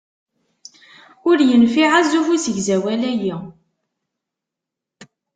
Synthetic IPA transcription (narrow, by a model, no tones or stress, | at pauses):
ʊɾjənfiʕazufusəʝzæwælæji